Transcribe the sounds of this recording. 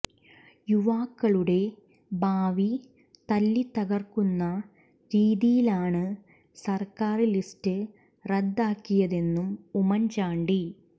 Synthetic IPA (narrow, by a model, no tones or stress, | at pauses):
juʋaːkːɐɭuɽe̞ | bʱaːʋi | t̪ɐlːit̪ːɐɣɐrkːunːɐ | ɾiːðijilaːɳɨ | sɐrkaːrilistɨ | red̪ːaːkːijɐðe̞nːumumɐnt͡ɕaːɳɖi